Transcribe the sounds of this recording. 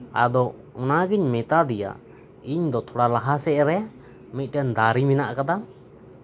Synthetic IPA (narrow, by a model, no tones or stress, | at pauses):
a̰d̪ɔ | ɔnaɡiɲmɛt̪ad̪ɛja̰ | iɲd̪ɔt̪ʰɔɽalaɦasɛʔɾɛa | mit̪̚ˀʈɛnd̪aɾiminaʔkad̪a